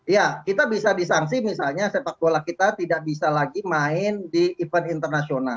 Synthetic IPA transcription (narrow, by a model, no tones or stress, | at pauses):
jakit̪abisadisaŋs̬imisalɲasepak̚dolahkit̪at̪idaʔ̚bisalaɡimaɪndiːfənint̪ərnasiona